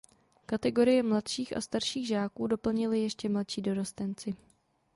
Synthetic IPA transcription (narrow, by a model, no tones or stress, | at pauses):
kat̪ɛɡo̞ɾɪjɛmlat̪ʃiːxʔa̰st̪aɾʃiːɣʒaːkuːdo̞pl̩ɲɪlɪjɛʃcɛmlat̪ʃiːdo̞ɾost̪ɛnt͡sɪ